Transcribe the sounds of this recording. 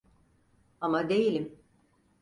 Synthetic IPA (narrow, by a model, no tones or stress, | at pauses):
amad̪e̞jilʲim